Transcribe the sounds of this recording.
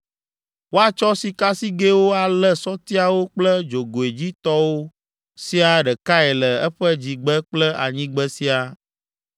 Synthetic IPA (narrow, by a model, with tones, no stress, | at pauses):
wo˦a˨t͡ʃɔ˦si˨ka˦si˦ɡe˦wo˦a˨lɛ˦sɔ˦t̪i˦a˨wo˦k͡plɛ˦d͡ʒo˨ɡo˨e˨d͡ʑi˦t̪ɔ˦wo˦ | si˦a˨ɖɛ˨ka˦ɛ˨lɛ˨ɛ˦ɸɛ˦d͡ʑi˨ɡ͡bɛ˦k͡plɛ˦ʔa̰˨ɲĩ˦ɡ͡bə˦si˦a˨